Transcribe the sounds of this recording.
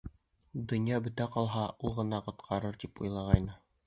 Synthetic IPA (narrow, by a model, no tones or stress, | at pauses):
d̪ŏnjɑbɵ̆t̪æqɒlˠɦɑʔulˠʁɤ̆nɑqŏt̪qʰɑɾɤɾt̪ipujlˠɑʁɑjnɤ